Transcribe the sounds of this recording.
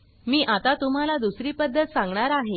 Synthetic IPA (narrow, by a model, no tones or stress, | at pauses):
miːʔat̪at̪um̤alad̪usɾiːpəd̪ʱːət̪sãŋɡɳaɾaɦe